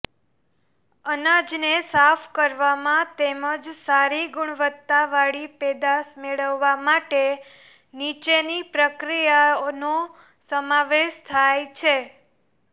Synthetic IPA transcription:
ənad͡ʒnesafʰkəɾʋamãt̪eməd͡ʒsaɾiɡʊɳʋət̪ːaʋaɽipɛd̪asmeɭəʋːamaʈe | nit͡ʃenipɾəkɾijano | səmaʋeʃt̪ʰajt͡ʃʰe

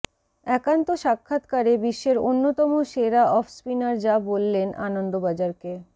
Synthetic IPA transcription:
ɛkant̪oʃakʰːat̪kaɾebiʃːeɾonːot̪ɔmoʃeɾaʔɔfspinaɾd͡ʑabolːenʔa̰nond̪obad͡ʑaɾke

